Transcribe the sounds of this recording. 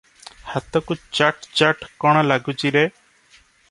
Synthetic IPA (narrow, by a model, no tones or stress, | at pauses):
hat̪ɔkut͡ʃaʈt͡ʃaʈkɔɽ̃ɔlaɡut͡ʃiɾe